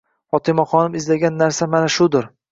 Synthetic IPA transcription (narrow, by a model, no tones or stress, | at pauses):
fɒt̪ʰɪmaχɒnɪmɪzlaɡʲanːaɾsamanaʃʊd̪ɪɾ